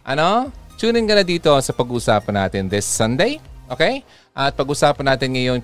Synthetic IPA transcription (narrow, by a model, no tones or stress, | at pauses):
ʔɐnot͡ʃuːnɪnkɐnɐd̪iːt̪o̞sɐpɐɡuːsaːpɐnːa̰ːt̪ɪnðɪsːɐ̃nd̪ejʔoːkej | ʔɐt̪̚pɐɡuːsaːpɐnaːt̪ɪnŋɐjo̞n